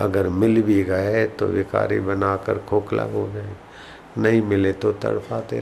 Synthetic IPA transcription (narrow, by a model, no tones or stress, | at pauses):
ɐ̰ɡəɾmɪlbʱiɡɐet̪o̰ʋɪka̰ːɾḭbɐnaːkəɾkʰoːkla̰bod͡ʒaːẽ | nɐɦĩmɪlet̪ot̪ɐ̰ɽpʰaːt̪ḛ